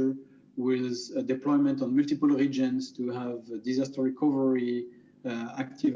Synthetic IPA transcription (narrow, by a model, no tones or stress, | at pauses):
ə˞ | wɪzədɛplɔjmə̃ntɔ̃nmʊltipəlˠɹid͡ʒə̃nztuhævdizastəɹikʰɔvəɹi | ak̚tʰiv